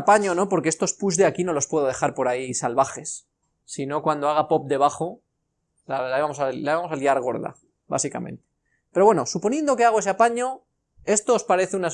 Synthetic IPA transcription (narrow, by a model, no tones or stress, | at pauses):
paɲo̞no̞po̞ɾkeest̪o̞spuzðeakino̞lo̞spwe̞ðo̞ð̞e̞xaɾpo̞ɾaisalβaxe̞sː | ino̞kwand̪oaɣ̞apo̞p̚d̪e̞β̞aχo̞ | lalaeβamo̞salaeamosaliaɾɣ̞o̞ɾða̰ | βa̰sika̰mẽ̞̰nt̪e | peɾowe̞no̞supo̞nje̞nd̪o̞keaɣ̞o̞e̞s̬eapaɲo̞ | e̞st̪oːspaɾe̞θeuna